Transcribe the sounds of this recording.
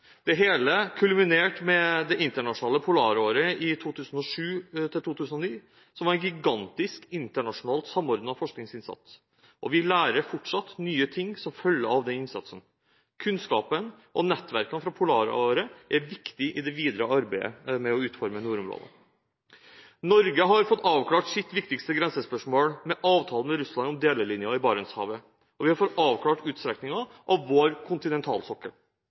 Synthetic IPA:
d̪̥ɛɦeːləkʰʉlmɪneːʈmɛd̪ɛʔɪnt̪əɳɑʂʊnɑːləpʰʊlɑːɾoːɾəɪt̪ʰuːt̪ʰʉːsən̩ɔʂʉːt̪ʰɪlt̪uːt̪ʰʉːsənɔniː | sɔmʋɑɾɛnɡɪɡɑnt̪ɪskɪnt̪əɳɑʂʊnɑːlt̪sɑmːɔɾd̪nɑfɔʂknɪŋsɪnsɑ̰t̪s | ʔɔʋɪlæːɾəɾfɔʈʂɑt̪nyːət̪ʰɪŋːsɔmfœlːəɑʋd̪ɛnɪnsɑ̰t̪sən | kʰʉnskɑːpən | ʔɔnɛt̪ːʋæɾkənfɾɑpʰʊlɑːɾ̰ʔoːɾəʔæɾʋɪkt̪ɪʔɪd̪ɛʋiːd̪ɾəʔɑɾbæɪə̰mɛɔʉːt̪fɔɾmənuːɾʊmɾo̰ːd̪ə̰ | nɔɾɡəɦɑɾfɔt̪ːɑːʋkʰlɑːʈsɪt̪ːʋɪkt̪ɪkst̪əɡɾɛnsəspœʂmoːlmɛʔɑːʋt̪ʰɑːlənmɛɾʉslɑnɔmd̪eːləɭɪnjɑɪbɑːɾənshɑ̰ːʋə | ɔʋɪhɑɾfɔt̪ːɑːʋkʰlɑːʈʉːt̪st̪ɾɛknɪŋɑʔɑʋːoːɾkʰʊnt̪ɪnɛnt̪ʰɑ̰ːlsɔkːəl

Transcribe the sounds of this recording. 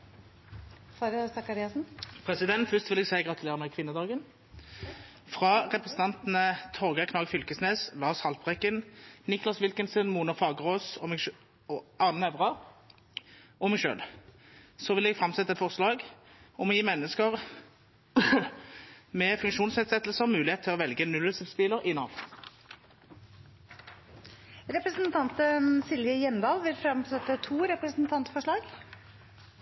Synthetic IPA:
fɾsɑkɑɾiɑsn̩pʰʁɛsɪd̪ɛnt̪fʏst̪ʋɪlɛɡsæɪɡʁɑt̪ʉleːʁəmɛkʰʋɪnəd̪ɑːɡən | fʁɑʁɛpʁɛsn̩t̪ɑnt̪n̩ət̪ʰɔʁɡəkʰnɑːɡfʏlkəsneːslɑːʁshɑlpʁɛkːənnɪklɑsʋɪlkənsənmuːnəfɑːɡəʁoːsɔmɛɡ | ɑːnənɛʋʁɑ | ɔmɛɡʃø̰ːl | sɔʋɪlɛɡfʁɑmsɛt̪ːəɛt̪fɔʁslɑːɡɔmɔjiːmɛnːəskəʁ | mɛfʉŋkʃuːnsɛd̪sɛt̪ːlsəʁmʉːlɪheːt̪ʰɪlɔʋɛlɡənʉlːəsɪfspɪləʁɪnɑ̰ʋ̪ | ɾɛpɾəsənt̪ʰɑnt̪əsɪlʋjəjɛmd̪ɑːlʋɪlfɾɑmsɛt̪ːət̪ʰuːɾɛpɾəsnt̪ʰɑnt̪fɔʂɭɑːɡ

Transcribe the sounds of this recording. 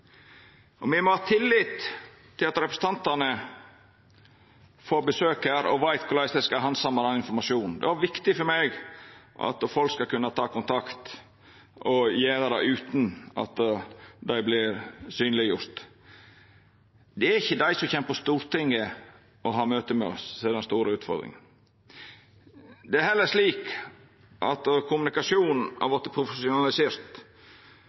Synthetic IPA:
ɔmʋɪmɔhɑːt̪ʰɪlːɪt̪ʰː | ɪlɑt̪ɾɛpɾəsə̥n̩t̪ɑnt̪ənə | foːɾbəsøːkəɾɔ̰ʋæɪt̪kʰʊɾlæɪsd̪æɪskɑɦɑnsɑmːɑd̪ɑnɪnfɔɾmɑʂuːnd̪ɛ̰æɾʋɪkt̪ɪfɔɾmɛɡʔɑ̰t̪fɔlkskɑkʰʉnːɑt̪ʰɑːkʊnt̪ʰɑkt̪ | ʔɔjeːɾəd̪æɪʉːt̪n̩ɑ̰t̪d̪æɪblɪɾsyːnlɪjʊɾt̪ | d̪ɛæɾɪçːəd̪æɪsɔmçɛmpəst̪uːɾt̪ɪŋːə | ɔɦɑːmøːt̪əmɛɔ̰ssɛd̪ɛnst̪uːɾəʉːt̪fɔ̰ɾd̪ɾɪ̰ŋn | d̪ɛæɾhɛlːəʂliːk | ʔɑ̰t̪kʰʊmnɪkɑsuːnn̩hæ̰ɾʋɔɾt̪ːəpʰɾʊfəsʊnɑlɪseːɾt̪

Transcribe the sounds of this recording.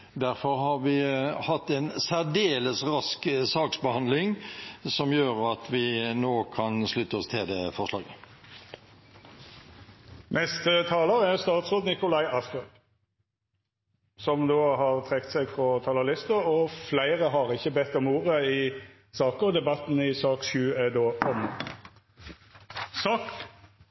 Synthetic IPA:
d̪æʁfɔʁɦɑʁʋɪhɑt̪ːɛnsæʁd̪eːləsʁɑsksɑːksbəhɑnd̪lɪŋsɔmjøːʁɑt̪ʰʋɪnoːkʰɑnslʉt̪ːəɔst̪ʰeːd̪efɔʁslɑ̰ːɡə | nɛst̪ət̪ʰɑːləɾæʁst̪ɑːt̪sʁoːd̪nɪkʊlɑɪɑst̪øːd̪ | sɔmd̪oːhɑːʁt̪ʰʁɛkt̪sɛɡfʁɔt̪ʰɑlɑlɪst̪əɾɔflæɪʁəɦɑʁɪçəbɛt̪ːɔmuːʁəɪ | sɑːkəɔd̪ɛbɑt̪nɪsɑːkʃʉːɛd̪oːʔɔm | sɑːk

